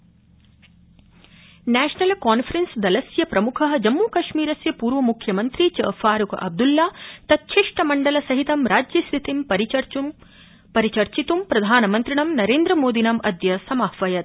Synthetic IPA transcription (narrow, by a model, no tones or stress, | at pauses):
næːʂnɐlkaːnfʰɐɾensd̪ɐlɐsjɐpɾɐmukʰɐɦɐd͡ʒɐmːuːkɐʃmiːɾɐsjɐpuːɾʋɐmukʰjɐmɐnt̪ɾit͡ʃɐ̰ːfaːɾukʔɐ̰b̚d̪ulːaːt̪ɐt̪̚t͡ʃʰiʂʈɐmɐɳɖɐlɐsɐɦit̪ɐmɾaːd͡ʒjɐst̪ʰit̪imɾ | pɐɾit͡ʃɐɾt͡ʃit̪umpɾɐd̪ʱaːnɐmɐnt̪ɾiɳɐmnɐɾeːnd̪ɾɐmoːd̪inɐmʔɐd̪jɐsɐmɐhʋɐjɐt̪̚